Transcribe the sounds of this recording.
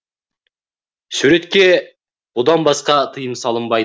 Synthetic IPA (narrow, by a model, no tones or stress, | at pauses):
suɾe̞t̪kʲe̞ | bod̪ɑnbɑsqɑt̪ʰəjəmsɑlˠəmbɑj